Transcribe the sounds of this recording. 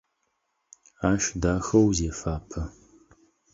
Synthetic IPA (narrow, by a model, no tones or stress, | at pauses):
aːʃdaːxɐwzeːfaːpʰɐ